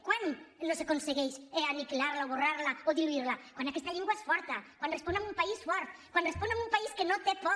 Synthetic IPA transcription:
kwanlosakonseɣejseanikilaɾlaoβoraɾlaoðiluiɾlakwãnd̪akɛst̪aʎeŋɡwaesfɔɾt̪akwanresponamumpaisfɔɾt̪̚kwanresponamumpaiskenot̪epɔ

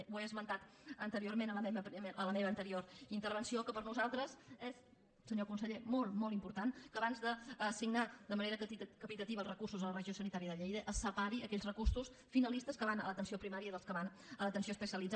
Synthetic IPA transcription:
weəzmənt̪at̪ənt̪əɾioɾmenələmeβəpɾələmeβəːnt̪əɾioɾint̪əɾβənsiokəpəɾnuzalˠt̪ɾəzɛs | səɲokunsəʎemɔlˠmɔlˠimpuɾt̪ankəːβanzðəːsiɡnad̪əməneɾəkkəpit̪ət̪iβəːlˠrəkursuzələrəʒiosənit̪aɾiəðəʎejðəʔəsəpaɾiəkɛʎzrəkursus | finəlist̪əskəβanələt̪ənsiopɾimaɾiəiðəlˠskəβan | ələt̪ənsioəspəsiəlid͡za

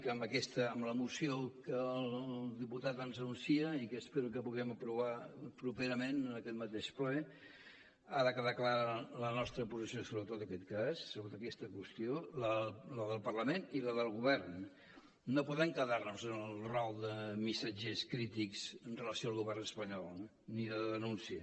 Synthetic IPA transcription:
kəːmbəkɛst̪əːmləmusiokəːlˠlˠd̪iput̪at̪ənzənunsiəikəːspeɾukəpuɣɛməpɾuβ̞apɾupeɾəmenənəkɛt̪mət̪eʃplɛ | aðəkəðaklaɾələnɔst̪ɾəpuzisiosoβɾət̪ot̪əkɛt̪kasːəɣot̪əkɛst̪əkwəst̪jolələðəlˠpərləmeniləðəlˠɣuβɛrn | nopuðɛmkəðarnuzənəlˠrɔlˠd̪əmisad͡ʒeskɾit̪ikz̥ənrələsioaːlˠɣuβɛrnəspəɲɔlˠ | niðəðənunsiə

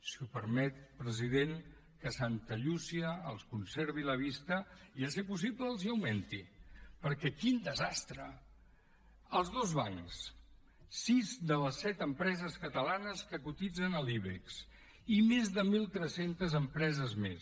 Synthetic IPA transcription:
siupəɾmɛt̪̚pɾəziðeŋ | kəsant̪əʎusiəːlˠskunseɾβiləβist̪əiəs̬epus̬ipləːlˠziəwment̪ipəɾkɛkind̪əzast̪ɾə | əlˠzðozβaŋks | sizd̪ələsːɛt̪əmpɾɛzəskət̪əlanəskəkut̪id͡zənəliβeks | imezðəmilˠt̪ɾɛsent̪əzəmpɾɛzəzmes

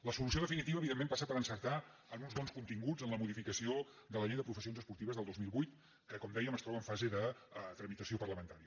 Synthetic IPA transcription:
ləsulus̬ioðəfinit̪iβəːβiðemːẽmpasapəɾənsəɾt̪aənunzβɔnskunt̪iŋɡud͡zənləmuðifikəsio | d̪ələʎɛjðəpɾufəsionzəspuɾt̪iβəzðəlˠd̪ozmilˠβujt̪ | kəkɔmd̪ɛjəməst̪ɾɔβəːɱfazeðət̪ɾəmit̪əsiopərləmənt̪aɾiə

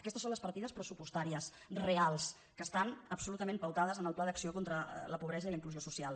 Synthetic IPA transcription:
əkɛst̪əsonləspəɾt̪iðəspɾəsupust̪aɾiəs | realˠs | kəst̪anəpsulut̪əmempəwt̪aðəzənəlˠplaðəksiokont̪ɾə̰ləpuβɾɛzəiləiŋkluziosusialˠ

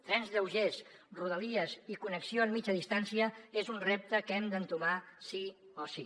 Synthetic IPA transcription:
t̪ɾɛnzðəwʒezruð̞əliəzikunəksioəmːit͡ʃəðist̪ansiəezunrep̚t̪əkɛmd̪ənt̪umasi | osi

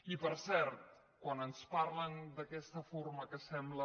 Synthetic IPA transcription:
ipəɾsɛɾt̪̚ | kwanənsparlənd̪əkɛst̪əfoɾməkəsɛmblə

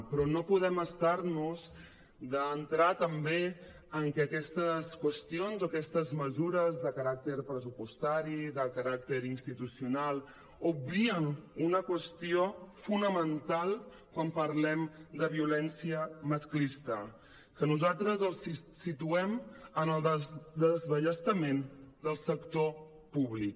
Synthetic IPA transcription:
pɾɔnopuð̞ɛməst̪aɾnuz | d̪əːnt̪ɾat̪əmbe | əŋkɛːkɛst̪əskwəst̪ionzokɛst̪əzməzuɾəzðəkəɾak̚t̪əɾpɾəzupust̪aɾiðəkəɾak̚t̪əɾinst̪it̪usiunalˠ | uβɾiənunəkwəst̪iofunəmənt̪alˠ | kwampəɾlɛmd̪əβiulɛnsiəməsklist̪ə | kənuzalˠt̪ɾəzəlˠssit̪uɛmənəlˠd̪əd̪əzβəʎəst̪əmend̪əlˠsəkt̪o | puβlik

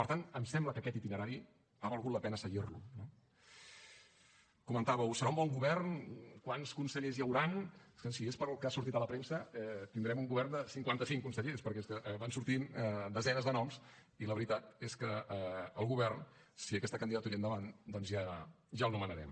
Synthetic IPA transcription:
pəɾt̪ant̪əmsɛmbləkəkɛt̪it̪inəɾaɾi | aβəlˠɣut̪ləpɛnəsəɣirlṵno | kumənt̪aβəwsəɾaũmbɔŋɡuβɛrnkwanskunsəʎezjəwɾanskənsiespəɾlˠkəasuɾt̪it̪ələpɾemsəɛt̪ind̪ɾɛmuŋɡuβɛrnd̪əsiŋkwant̪əsiŋkunsəʎespəɾkɛeskəʔβansuɾt̪ind̪əzɛnəzðənɔms | iləβəɾit̪at̪eskəəlˠɣuβɛrnsiəkɛst̪əkənd̪iðət̪uɾiənd̪əβand̪ɔnzʒa | ʒalˠnumənəɾɛ̰m

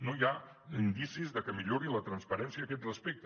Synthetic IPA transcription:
nojaind̪isizðəkəmiʎoɾilət̪ɾənspəɾɛnsiəːkɛt̪rəspek̚t̪ə

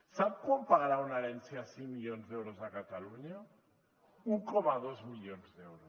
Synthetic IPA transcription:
sap̚kwampaɣaɾaunaɾensjasiŋmiʎonzðewɾozakat̪aluɲa | ukomaðozmiʎonzðewɾos

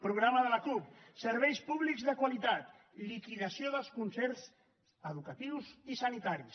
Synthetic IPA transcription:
pɾuɣɾaməðəlaklup̚səɾβɛjspuβlikzðəkwalit̪at̪ | likiðasjoðəlˠskunsɛɾz | əðukat̪iwsisanit̪aɾis

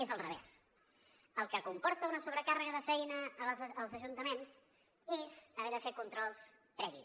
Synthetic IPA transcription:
ezəlˠrəβɛ̰s | əlˠkəkumpɔɾt̪əunəsuβɾəkarəɣəðəfɛjnəːzːlˠzəʒunt̪əmens | ezəβɛðəfekunt̪ɾɔlˠs | pɾɛβis

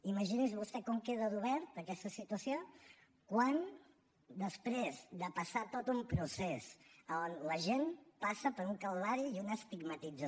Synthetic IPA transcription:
iməʒinizβust̪ɛkɔŋkeðəðuβɛɾt̪əkɛst̪əsit̪uəsio | kwan | d̪əspɾezd̪əpəsat̪ot̪umpɾusesəonləʒenpasəpəɾuŋkəlˠβaɾiːunəːst̪iɡmət̪id͡zə

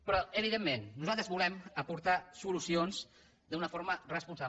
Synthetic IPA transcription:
pɾɔəβiðemːenːuzalˠt̪ɾəzβulɛməpuɾt̪asulusionz | d̪əunəfoɾmərəspunsa

